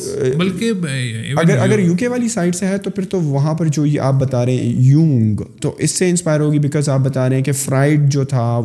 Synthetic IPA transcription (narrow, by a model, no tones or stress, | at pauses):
bɐlkeɐɡəɾɐɡəɾjuːk̬eʋaːlisaːɪɖseɦɛt̪opʰɪɾt̪oʋɐɦãpɐɾd͡ʒoːjeʔa̰ːp̚bɐt̪aːɾeɦɛ̰̃jũːŋɡt̪oʔɪsːeɪ̃nspaːɪəɾɦoːɡibɪkɔːzaːp̚bɐt̪aːɾeɦɛ̃kefɾaːɪɖ̚d͡ʒoːt̪ʰa